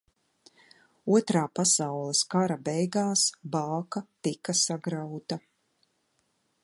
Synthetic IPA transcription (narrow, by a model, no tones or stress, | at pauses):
uɔt̪ɾaːpasawlˠɛskaɾabɛjɡaːsbaːkat̪ikasaɡɾawt̪a